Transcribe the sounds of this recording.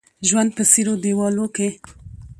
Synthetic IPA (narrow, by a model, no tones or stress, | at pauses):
ʒwand̪̚pəsiɾod̪ewɑloke